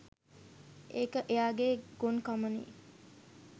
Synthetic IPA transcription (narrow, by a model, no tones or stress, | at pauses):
ʔeːkəʔejaːɡeːɡonkamənḭː